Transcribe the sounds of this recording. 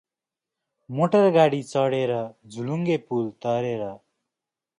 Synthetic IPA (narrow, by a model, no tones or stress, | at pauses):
moʈʌrɡaɽit͡sʌɽeɾʌd͡zʱuluŋɡepult̪ʌɾeɾʌ